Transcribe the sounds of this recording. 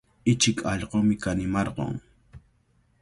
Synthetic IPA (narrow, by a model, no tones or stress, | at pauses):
ɪt͡ʃɪkʰɑʎɢomɪkanɪmɑɾɢo̰ŋ